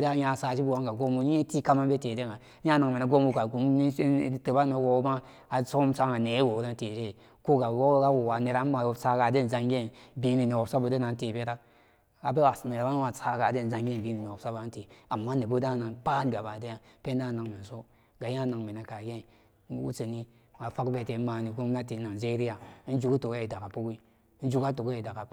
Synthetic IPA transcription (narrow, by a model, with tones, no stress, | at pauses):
da˦ja˦˨sa˨ʃi˦bu˨wa˦ŋɡa˨ɡo˦mu˨˦e˦ti˦ka˦ma˦be˦te˨de˦ŋa˨˦ja˦na˨ŋme˨na˨ɡo˦mu˨ka˨ɡu˨mn˦te˨˦ba˦me˨˦wo˨˦ba˦ | a˨so˦msa˦ŋa˨ne˨˦wo˨˦da˦n˦te˨de˦˨ | ko˦ɡa˨wo˦ɡa˦wo˨wa˨ne˨ɾa˨˦n˦a˨sa˦ɡa˨de˦n˨za˦ŋɡe˦˨nbi˦ni˨ne˨wo˨bsa˦bo˨de˦na˨n˦te˨be˦ɾa˦ | a˨be˦wa˨sne˨ɾa˦n˦ma˨sa˦ɡa˨de˦n˨za˨ŋɡe˦˨bi˨˦ni˨ni˨o˨sa˦ba˨˦te˨a˨mːa˦ne˨bo˦da˦na˨npa˦tɡa˨ba˨de˦ja˦pe˦na˦˨na˨ŋme˨so˦ | ɡa˨ja˦˨˦na˨ŋme˨na˨ka˨ɡe˦˨˦ | wṵ˦se˨ni˦ | a˨fa˦kbe˨te˨˦ma˨ni˨ɡo˦m˦na˦ti˨na˨d͡ʒe˦ɾi˦ja˨˦n̩˦d͡ʒu˦ku˦to˨ɡi˨da˨ka˨pu˦ɡi˦ | n̩˦d͡ʒu˦ka˦to˨ɡe˦i˨da˨ka˨˦